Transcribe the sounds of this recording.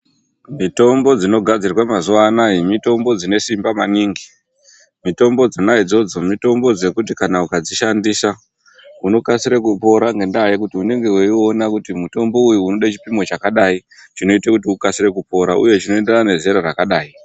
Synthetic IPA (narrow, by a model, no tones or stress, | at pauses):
mito̞mbo̞d͡zino̞ɡʱad͡zirwamazuʋaːnaimito̞mbo̞d͡zine̞simbamaniŋɡi | mito̞mbo̞d͡zinaid͡zo̞d͡zo̞mito̞mbo̞d͡ze̞kutikanaukad͡ziʃandisa | uno̞kasiɾekupo̞ɾaŋɡe̞ndajekutiune̞ŋɡe̞weio̞nakutimuto̞mbo̞ujuuno̞ɗat͡ʃi̥pimo̞t͡ʃakaɗait͡ʃino̞itekutiukasiɾe̞kupo̞ɾaʔṵje̞t͡ʃino̞endenane̞ze̞ɾarakaɗaːi